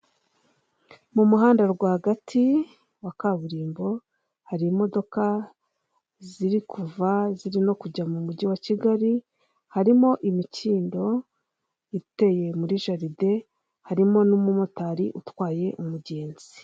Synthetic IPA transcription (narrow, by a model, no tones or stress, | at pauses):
mumuɦaːndaɾɡwaːhaɡatʰi | wakaβuɾiːmbo̞ | haɾiːmo̞do̞ka | ziɾikʰuvaziɾino̞kuɟamumuɟiwaciɡaɾi | haɾimo̞ʔimiciːndo̞ | ite̞je̞muɾiʒaɾide̞ | haɾimo̞numumotaɾiʔutwaːje̞ʔumuɟeːnzi